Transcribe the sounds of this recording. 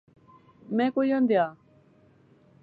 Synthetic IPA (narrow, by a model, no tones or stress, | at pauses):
mẽːkojə̃nd̪jaː